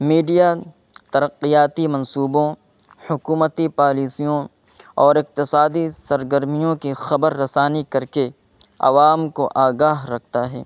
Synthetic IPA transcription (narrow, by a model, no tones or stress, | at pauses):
miːɖija | t̪ɐɾəqːijaːt̪imɐ̃nsuːbõ | hʊkuːmət̪ipaːliːsijõ | ɔːɾɪq̚t̪ɪsaːd̪isɐɾɡəɾmijõkixɐbəɾːɐsaːnikɐɾke | ɐ̰ʋaːmkoʔaːɡaːɦɾɐk̚ʰt̪aɦɛ̰ː